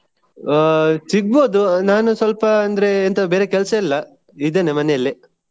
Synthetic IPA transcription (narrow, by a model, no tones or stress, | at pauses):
siɡ̚bo̞ːd̪unaːnusʋɐlpɐːnd̪ɐɾe̞ːnt̪ɐbe̞ːɾe̞kɛlsɐilːɐ | id̪eːnemɐnɛjɐlːi